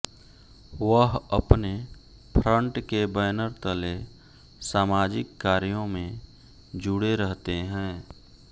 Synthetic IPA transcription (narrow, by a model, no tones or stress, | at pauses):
ʋəɦɐpne | pʰɾə̃ɳʈkebɛːnəɾt̪əle | saːmaːd͡ʒɪkːaːɾjõmẽ | d͡ʒʊɽeɾəɦt̪eɦɛ̃ː